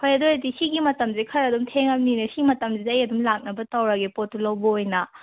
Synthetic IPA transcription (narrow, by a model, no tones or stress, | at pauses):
kʰojɐdojɐdisiɡimɐtɐmzikʰɐɾɐdumtʰeŋɐmninɐsimɐtɐmzizɐjɐdumlak̚nɐbɐtɐwɾɐɡepotːulɐwbɐojnɐ